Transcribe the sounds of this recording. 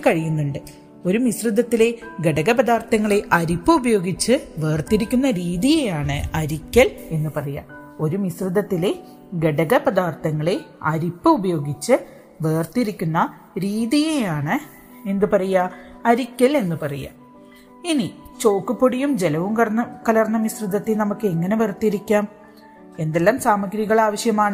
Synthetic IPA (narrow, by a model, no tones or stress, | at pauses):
kɐɻijunːuɳɖɨ | o̞ɾumisrɨd̪ːɐt̪ːile̞ɡe̞ɽɐɡɐpɐd̪aːrt̪ɐŋːɐɭeʔɐɾipːɨubɐjo̞ːɡit͡ɕːɨʋe̞ːrt̪iɾikʲːunːɐɾiːðijejaːɳɨɐɾikʲːɐle̞nːɨpɐrɐjɐ̰ | o̞ɾumisrɨd̪ɐt̪ːile̞ | ɡe̞ɽɐɡɐpɐd̪aːrt̪ɐŋːɐɭe̞ɐɾipːɨubɐjo̞ːɡit͡ɕːɨ | ʋeːrt̪iɾikʲːunːɐ | ɾiːðijejaːɳɨ | e̞nd̪ɨpɐrɐjɐɐɾikʲːɐle̞nːɨpɐrɐja̰ | init͡ɕo̞ːkːɨpːoɽijumd͡ʑe̞lɐʋumkɐɐkɐlɐrɐnːɐmisrɨd̪ːɐt̪ːilnɐmukːɨe̞ŋːɐne̞ʋert̪ːiɾikʲːaːm | e̞nd̪elːaːmsaːmɐɡɾiɣɐɭaːʋɐɕjɐmaːɳɨ